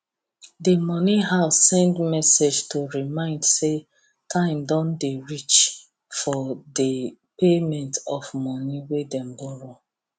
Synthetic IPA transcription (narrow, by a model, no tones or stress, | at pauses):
demɔniɦaʊsːɛ̃ndmɛsed͡ʒtoɹimãɪ̃ndse | tʰãɪ̃mdɔ̃ndeɹit͡ʃ | fɔde | pemɛ̃ntɔfmɔniwedɛ̃mbɔɹo